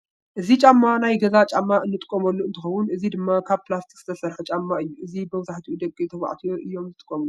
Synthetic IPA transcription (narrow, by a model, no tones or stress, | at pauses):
ʔɨzit͡ʃʼamːanajɡɐzat͡ʃʼamːaʔɨnːɨt̪ʼɨ̥kʼːomɐlːuɨnt̪ʰɨxɐwʊnʔɨzid̪ɨmːakʰaβplast̪ʰikz̥ɨ̥t̪ʰɐsɐɾħɨt͡ʃʼamːaɨjːuʔɨzibɨmzaħt̪ʰiud̪ɐkʼːiɨt̪ʰɐwa̰ʕt̪ʰijoʔɨjːo̞mzɨt̪ʼɨ̥kʼːoml